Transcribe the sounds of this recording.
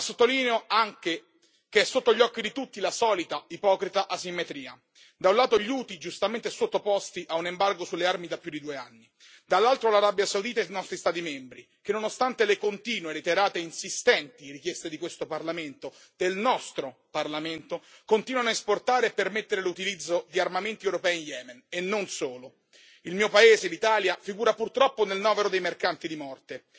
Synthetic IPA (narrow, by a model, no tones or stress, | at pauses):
sːot̪ːoliːneoaŋke | keɛsːot̪ːoʎːɔkːid̪it̪ut̪ːilasɔːlit̪aipɔːkɾit̪aʔasimːet̪ɾiːa̰ | d̪aũnlaːt̪oʎuːt̪id͡ʒust̪ament̪esot̪ːopɔst̪iʔaunembarɡosulːearmid̪apːjud̪id̪uːeanːi | d̪alːalt̪ɾolaɾabjasaud̪iːt̪anɔst̪ɾist̪aːt̪imɛmbɾi | k̟enːonost̪ant̪elekont̪iːnwelet̪eɾaːt̪einsist̪ɛnt̪iɾikjɛst̪ed̪ikwest̪oparlament̪o | d̪̥elnɔst̪ɾoparlament̪okont̪iːnwanaesport̪aːɾeepːermet̪ːeɾelut̪ilid̪zːod̪iarmament̪iewɾopɛːinjɛːmenenːonsoːlo | ilmiːopaeːzelit̪aːljafiɡuːɾapurt̪ɾɔpːonelnɔːveɾod̪ejmerkant̪id̪imɔrt̪e